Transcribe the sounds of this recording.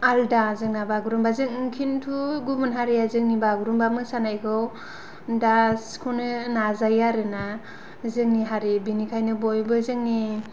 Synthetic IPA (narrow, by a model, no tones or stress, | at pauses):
aldazɯŋnabaɡuɾumbazɯŋkʰintʰuɡubunɦaɾiazɯŋ̚nibaɡuɾumbamɯsanajɡʰɯw | daskʰunɯnazajaɾɯna | zɯŋniɦaɾibinikʰajnɯbɔjbɯzɯŋni